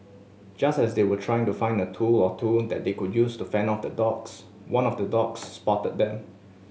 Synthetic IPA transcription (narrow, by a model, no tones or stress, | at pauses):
d͡ʒastɛsdewətʰɹaɪɪ̃ŋtufãɪ̃ndətʰulɔtʰuldɛ̰t̚dekudjustufɛ̃nɔfdədɔks | wãnɔfdədɔksːpɔtət̚dɛ̃m